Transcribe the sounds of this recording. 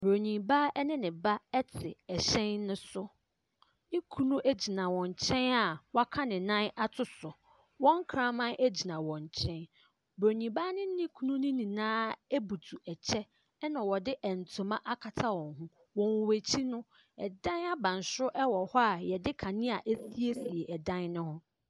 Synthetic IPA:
bo˨ɲĩ˨ba˦ɛ˦nɪ̃˦nɪ̃˨ba˦ɛ˦tʰɪ˨ɛ˨ɕɛ̃˦nːʊ̃˦sʊ˦ | nɪ̃˦kʰu˦nũ˦ʔæ˦d͡ʑi˨nã˨wɔ̃˨ɲ˨t͡ɕʰɛ̃˦na˨wa˦kʰa˦nɪ̃˨nã˦na˦tʰʊ˦sʊ˨ | wɔ̃˦ŋ˦kʰɾã˦mã˦nʔe˦d͡ʑi˨nã˨wɔ̃˨ɲ˨t͡ɕʰɛ̃˦n | bɾo˨ɲĩ˨ba˦nɪ̃˦nɪ̃˦kʰu˦nũ˦nɪ̃˦nĩ˨nãː˦e˦bu˨tʰu˨ɛ˨t͡ɕʰɛ˦ | nã˨wɔ˨dɪ˦ʔɛ˨n̩˨tʰʊ̃˨mã˦ʔa˦kʰa˨tʰa˦wɔ̃˨ŋɦũ˦ | wɔ̃˨wwæ˨t͡ɕʰi˦nʊ̃˦ | ɛ˨dã˦na˦bã˨n˨sʊ˦ʔɛ˦wɔ˨hɔ˦a˨jɛ˨dɪ˦kʰã˨nɪ̃˦a˨ʔe˦si˦e˦si˨e˨ʔɛ˨dã˦nnʊ̃˦hʊ̃˦

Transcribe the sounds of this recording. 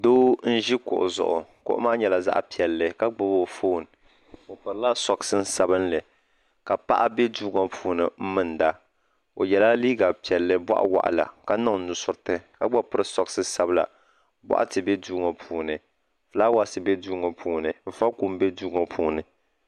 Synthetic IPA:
doː˦n̩˦ʒi˦kʊ̰˨ʔʊ̰˨zʊ̰˨ʔʊ̰˨kʊ̰˨ʔʊ̰˦maː˦ɲɛ˨la˨za̰˦ʔpi˨ɛ˨lːɨ˨ka˦ɡ͡bɔ˦bo˨foː˦˨n | o˨pɨ˨ɾɨ˦la˦sɔ˨ksɨ˦n̩˦sa˦bɨ˦nlɨ˨ | ka˨pa̰˦ʔa˦be˦duː˦ŋa˨pʰuː˨nɨ˨m̩˦mɨ˦˨n˨da˦ | o˨jɛ˨la˦liː˦ɡa˨pi˨ɛ˨lːɨ˦bʷɔ̰˦ʔa̰˦wa̰˨ʔa̰˨la̰˨ka˦na˦˨˦nʊ˨sʊ˦ɾtɨ˦ka˦ɡ͡bɔ˦pɨ˦ɾɨ˦sɔ˦ksɨ˦sa˦bɨ˦la̰˨ | ba̰˦ʔa̰˦tɨ˨bɛ˦duː˦ŋo˨pʰuː˨nɨ˨ | fla˦wa˦sɨ˨bɛ˦duː˦ŋɔ˨pʰuː˨nɨ˨m̩˨fa˦ku˦m˦bɛ˦duː˦ŋɔ˨pʰuː˦nɨ˨

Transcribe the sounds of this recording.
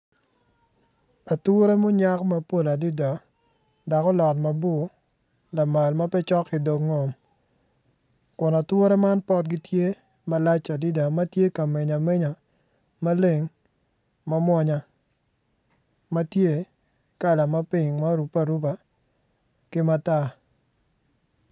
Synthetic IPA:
a˨tɾe˦mʊ˦ɲa˦kmɐ˦po˦˨la˨di˦da˨ | da˨kɔ˦lɔ˨tma˨bo˦ | la˨ma˨lma˦pɛ˦t͡ʃɔ˦kːɪ˨do˨kŋo˨m | kʊ˨na˨two˦ɾɛ˦ma˦npɔ˦t̚ɡɪ˦tje˦ | ma˦la˦t͡ʃa˨di˦da˨ma˦tje˦ka˨me˨ɲa˨me˦ɲa˨ | ma˦le˨ŋ | ma˦mwɔ˦ɲa˨ | ma˦tje˦ | ka˦˨la˨ma˦pi˨ŋma˦ɾu˨pa˦ɾu˦pa˨ | kɪ˦ma˦ta˨

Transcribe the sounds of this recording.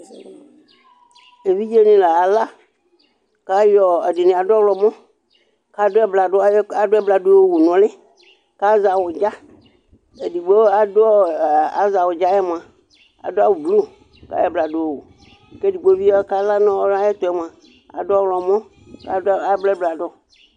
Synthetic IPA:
e˨vi˦d͡ʒe˦nĩ˨la˨a˨la˦ | ka˦jɔ˨e˨di˨nĩ˨a˨dɔ˦wlɔ˨mɔ̃˦ | ka˨dʊ˦ɛ˦bla˨dʊ˦a˨dʊ˦ɛ˦bla˨do˦e˦˨wu˨nɔ̃˨lɪ˦ | ka˦za˨wʊ˨d͡ʒa˦ | e˨di˨ɡ͡bo˦a˨do˦ɔ˦˨a˨za˨wʊ˨d͡ʒa˦jɛ˦m˨a˨ | a̰˨do˦a˦wu˨blu˦ | ka̰˦jɔ˦˨bla˨do˨wo˨wu˨ | ke˦di˨ɡ͡bo˦vi˦ɔ˦ka˦la˦nɔ̃˦wɔ˦la˦jɛ˦t̪ɔ˨˦ɛ˦m˨a˨ | a̰˨dʊ˦ɔ˦wlɔ˨mɔ̃˦ | ka˦a˨˦blɛ˦bla˨dɔ˦

